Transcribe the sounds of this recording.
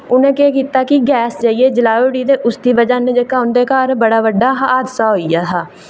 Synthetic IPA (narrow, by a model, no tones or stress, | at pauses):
ʊnẽːkeːkiːt̪aːkɪɡɛːsd͡ʒaːieːd͡ʒəlaːoːɽiːd̪eːʔʊsd̪iːbəd͡ʒaːned͡ʒəkaːʊnd̪eːkaɾbəɽaːʋəɖːaːɦaːd̪saːɦoːiaːt̪aː